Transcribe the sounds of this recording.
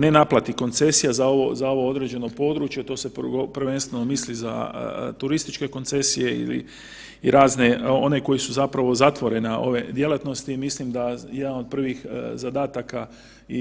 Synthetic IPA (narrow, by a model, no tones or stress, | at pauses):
ne̞naplˠat̪iko̞nt̪se̞sijazao̞ʋozao̞ʋo̞o̞d̪ɾe̞d͡ʑe̞no̞po̞d̪ɾuːt͡ʃjet̪o̞ːse̞ppr̩ʋe̞nst̪ʋeno̞misliza̰t̪uɾist̪it͡ʃke̞ko̞nt̪se̞sije̞ḭlḭ | iɾaːzne̞o̞ne̞ko̞jisuzapɾaʋo̞zat̪ʋo̞ɾe̞nao̞̰ʋe̞d̪je̞lat̪no̞st̪imislimd̪aje̞d̪ano̞d̪̚pr̩ʋixzad̪aːt̪aka | i